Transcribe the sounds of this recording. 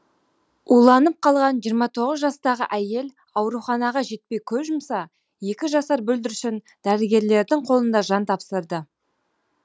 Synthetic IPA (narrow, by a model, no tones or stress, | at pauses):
ulˠɑnəp̚qʰɑlˠʁɑnʒijəɾmɑt̪ʰo̞ʁəzʒɑst̪ɑʁə̰ʔæje̞l | ɑwɾuχɑnɑʁɑʒe̞t̪̚pe̞jkʲʰɵpʒʊmsɑ | je̞kʲɪʒɑsɑɾbɵld̪ɪɾʏʃɪn | d̪̥æɾɪɡʲe̞ɾle̞ɾd̪ɪɴqʰolˠənd̪ɑʒɑnt̪ʰɑpsəɾd̪ə